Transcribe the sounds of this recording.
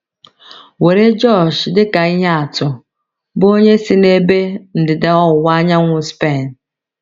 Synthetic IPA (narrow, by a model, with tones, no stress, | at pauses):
we˨ɾe˦d͡ʒɔ˦˨ʃdɪ˦ka˨i˦ɦe˦a˨tʊ˨ | bo˦ɲe˦si˦ne˦be˦n̩˨dɪ˨de˨ɔ˦ʊ˨wa˦ɲa˦ŋʷʊ˦spe˦˨n̩˨